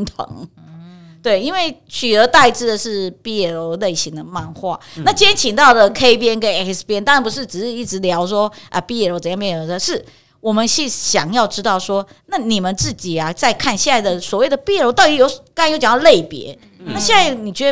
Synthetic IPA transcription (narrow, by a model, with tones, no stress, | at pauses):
t̪ʰo̰˨˧˦ŋ | t̪we˥˩ɪi˥nwe˥˩ɪ | t͡ɕʰy˨˩ə˧˥t̪a˥˧ɪʈ͡ʂɻ̩˥˩d̪ə˨˩ʂɻ̩˥˩pi˥ɛ˥˩lo˧˥ʊle˥˩ɪɕi˧˥ŋd̪ə˧ma˥˧nxwa̰˥˩na˥˩t͡ɕi˥ɛ˥nt͡ɕʰi˨˩ŋt̪ɑ˥˩ʊlə˨˩kʰe˥ɪpjɛ˥nkə˥nɛ˥˩kspjɛ˥nt̪ɑ˥ŋɻa˧˥npu˧˥ʂ̬ɻ̩˥˩ʈ͡ʂɻ̩˨˩ʂɻ̩˥˧i˥˩ʈ͡ʂɻ̩˧˥ljɑ˧˥ʊʂwɔ˥ʔə˧˩pi˥ɛ˥˩o˧˥t͡sə˨˩njɑ˥˧pjo˧˥˧ʂɻ̩˥˩ | wɔ˨˩mə˦nɕi˥˩ɕjɑ˨˩ŋjɑ˥˩ʊʈ͡ʂɻ̩˥t̪ɑ˥˩ʊʂwɔ˥na˥˩ni˨˩mə˨˦nt͡sɹ̩˥˩t͡ɕi˨˩ɐ˦t͡sa˥˧ɪkʰa˥˧nɕjɛ˥˧na˥˩ɪd̪ə˩swɔ˨˩we˥˩ɪd̪ə˩pjɛ˥˧ɻo˧˥ʊt̪ɑ˥˩i˧˥jo˧˥ʊkɑ˥ŋ˧njo˧˥t͡ɕɑ˨˦n˥˧le˥˩ɪpjɛ̰˧˥ | na˥˩ɕjɛ˥˧na˥˩ni˨˩t͡ɕɥɛ˧˥˧